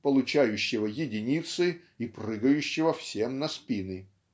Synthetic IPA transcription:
pəlˠʊt͡ɕæjʉɕːɪvəjɪdʲɪnʲit̪sɨ | iprɨɡəjʉɕːɪvəfsʲemnɐspʲinɨ

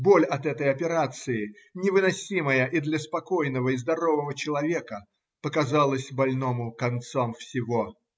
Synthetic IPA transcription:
bolʲɐt̪ɛt̪əjɐpʲɪɾat̪sɨɪ | nʲɪvɨnɐsʲiməjəʔid̪lʲəspɐkojnəvəizd̪ɐɾo̞vəvət͡ɕɪlˠɐvʲe̞kə | pəkɐzalˠəsʲbɐlʲnomʊkɐnt̪somfsʲɪvo

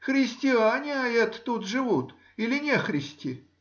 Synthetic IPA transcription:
xɾʲɪsʲtʲɪanʲɪɐɛt̪ːut̪ʐɨvut̪ | ilʲɪnʲexɾʲɪsʲtʲi

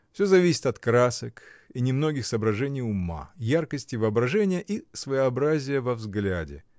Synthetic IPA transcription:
fsʲozɐvʲisʲɪ̥t̪ɐt̪kɾasəkinʲɪmno̞ɡʲɪxsəːbɾɐʐɛnʲɪjʊma̰jarkəsʲtʲɪvəɐbɾɐʐɛnʲɪjəʔisvəjəɐbɾazʲɪjəvɐvzɡlʲadʲɪ̰

